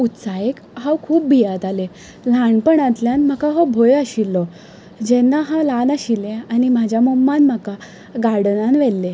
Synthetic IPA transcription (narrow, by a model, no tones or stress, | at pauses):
ut̪sajek | ɦãwkʰuːp̚bʱijat̪ale | laɳpəɳat̪ljanm̤əkaɦɔbʱojaɕilːɔ | d͡ʑɛnːaɦãlanaɕilːeanim̤ad͡ʑʱjamomːanm̤aka | ɡaɽnanʋɛlːe